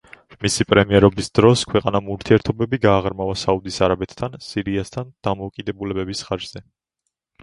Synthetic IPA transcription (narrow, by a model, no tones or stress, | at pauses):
misipʼɾɛmiɛɾɔbisd̪̥ɾɔskʰwɛqʼanamuɾt̪ʰiɛɾt̪ʰɔbɛbiɡaːʁɾmavasaud̪isaɾabɛt̪ʰt̪ʰːansiɾiast̪ʰand̪̥amɔːkʼid̪ɛbulɛbɛbisχad͡ʒz̥ɛ